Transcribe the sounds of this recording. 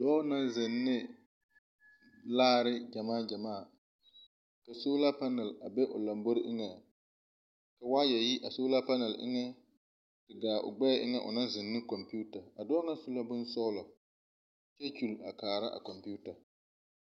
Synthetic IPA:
dɔː˦na˦nzɪ˨nːɪ˦ | laː˦ɾɪ˦d͡ʒa˨maː˦˨d͡ʒa˨maː˦˨ | ka˨soː˦la˦pa˦nɛ˨la˨be˦ʔʊ̰˨la˨mbo˦ɾʔɪ˦ŋɛ˨ | ka˨waː˦jɛ˨ji˦ʔa˨soː˦la˦pa˦nɛ˨lʔɪ̰˦ŋɛ˦ | tɨ˨ɡaː˨ʔʊ̰˨ɡ͡bɛ˦ʔɪ̰˦ŋɛ˦ʔʊ̰˨na˦n˦zɨ˨nːɨ˦kɔ˨mpi˦u˦ta˨a˨dɔː˦ŋa˦sʊ˦la˦bʊ˦nsɔ˦lɔ˨ | t͡ʃɛ˦t͡ʃu˨la˨kaː˨ɾa˦ʔa̰˨kɔ˨mpu˦ta˨

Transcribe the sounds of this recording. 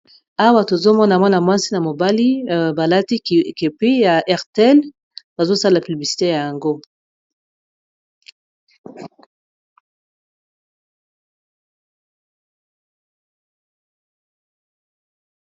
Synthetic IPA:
a˦wa˦to˨zo˦mɔ˦na˨mɔ˦na˨mwa˦si˦na˨mo˨ba˦li˦ba˨la˦ti˦ke˨pe˦ja˨ʔɛ˦ʁte˨ɛ˦l | ba˨zo˦sa˦la˨py˨bli˨si̥˨te˦ja˨ja˨ŋɡo˦

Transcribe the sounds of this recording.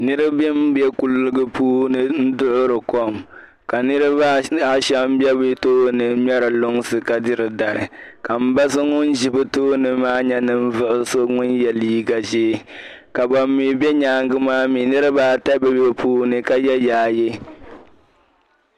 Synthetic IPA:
nɨ˦ɾɨ˦bɛ˦m˦bɛ˦ku˦lːɨ˦ɡɨ˦puː˦nɨ˦n̩˦dʊ˦ʔʊ˦ɾɨ˨ko˦m | ka˨nɨ˦ɾɨ˦ba˦a˦ʃɛ˦m˦bɛ˦bɨ˦toː˦nɨ˨ɲɛ˦ɾɨ˨lʊ˦ŋsɨ˨ka˨dɨ˦ɾɨ˨da˨ɾɨ˨ka˨m̩˦ba˦sɨ˦ŋʊ˦n˦ʒɪ˨˦bɨ˦toː˦nɨ˨maː˦ɲɛ˦nɨ˦m̩˦vʊ˦ʔʊ˦so˦ŋʊ˦njɛ˨liː˦ɡa˨ʒeː˦ | ka˨ba˨mːi˦˨˦bɛ˦ɲaː˦ŋɡɨ˦maː˦mi˨nɨ˦ɾɨ˦baː˦ta˦bɛ˦bɛ˦pʰuː˦nɨ˨ka˦jɛ˦jaː˨˦˨jɛ˦

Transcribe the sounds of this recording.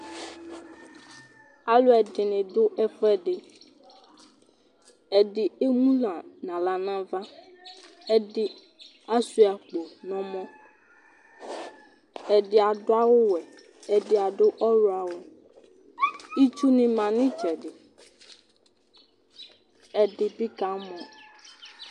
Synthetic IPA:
a˨lo˦ɛ˨dɪ˨nɪ̃˨ɖʊ˦ʔɛ˦ɸɛ˦ɖɪ˨ | ɛ˨ɖɪ˨e˦mũ˦lã˨nã˨la˨nã˦va˦ | ɛ˦ɖɪ˦ | a˦su˦a˨k͡po˨nɔ̃˨mɔ̃˦ | ɛ˨dɪ˦a˨dʊ˦a˦wʊ˦wɛ˨ | ɛ˨dɪ˦a˨ɖʊ˦ʔɔ˦ɾʊ˦a˨wʊ˦ | i˦t͡ʃu˦nɪ̃˦mã˨nɪ̃˦t͡ʃɛ˨ɖɪ˨ | ɛ˨dɪ˨bi˦ka˨˦mɔ̃˨

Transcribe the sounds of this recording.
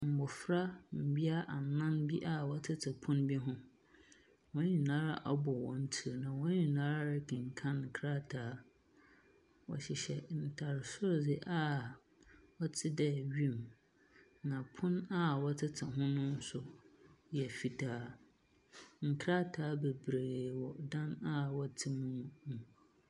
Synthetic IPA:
m̩˨bʊ˨fɾa˦m̩˨bi˦a˦ʔa˨nã˦nbi˦ʔa˦wɔ˦tʰɪ˦tʰɪ˨pʰʊ̃˦nbi˦ɦʊ̃˦ | wɔ̃˦ɲĩ˨nã˦ɾa̰˦ʔa˨bɔ˨wɔ̃˨n̩˦tʰi˦ɾnã˨wɔ˦ɲĩ˨nãː˦ɾa˦ɾɪ˦kʰɪ̃˨ŋ̩˨kʰã˦ŋŋ̩˨kʰɾa˦tʰaː˦ | wɔ̰˨ɕɪ˨ɕɛ˨n̩˨tʰa˨ɾɪ˨sʊ˦ɾdɪ˦ʔa˦ | wɔ˦tʰɪ˦dɛ˦˨ɥi˦e˦˨m | nã˨pʰʊ̃˦na˦wɔ˦tʰɪ˦tʰa˨ɦʊ̃˦nʊ̃˦n˦sʊ˨jɛ˨fi˦tʰaː˦ | ŋ̩˨kʰɾa˦tʰaː˨˦be˨bɾeː˨wɔ˨dã˦na˦wɔ˦tʰɪ˦mũ˦nũ˨

